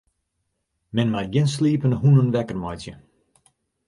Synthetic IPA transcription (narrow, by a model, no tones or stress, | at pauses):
mɛnmaɡɪnsliːpənhunənʋɛkərmɔjtjə